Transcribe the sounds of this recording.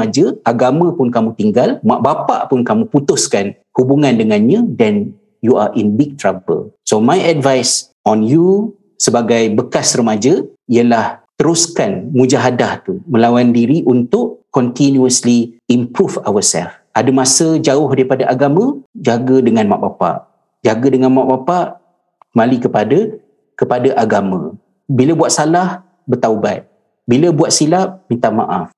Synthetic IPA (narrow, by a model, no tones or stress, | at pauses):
ad͡ʒəaɡamə̃pʊnkamũt̪iŋɡalmaʔbapa̰ʔpʊnkamũput̪ʊskan | hubuŋãndəŋãnɲãdɛn | juaʔinbiɡ̚t̪ɾabə̰lsomajɛdvajs | ɔnju | səbaɡajbəkasrəmad͡ʒəiəlaht̪əɾuskanmũd͡ʒaɦadaht̪umə̃lawandiɾiʔunt̪ʊʔkɔnt̪injuəsliimpɾufawəsɛ̰f | ʔadəmasəd͡ʒaʊhdaɾipadaʔaɡamə̃d͡ʒaɡədəŋanmaʔbapa̰ʔ | d͡ʒaɡədəŋanmaʔbapaʔ | kəmalikəpada | kəpadaʔaɡamə̃ | biləbuat̪̚salah | bərt̪auba̰t̪̚ | biləbuaʔ̪̚silap̚mint̪ama̰ʔaf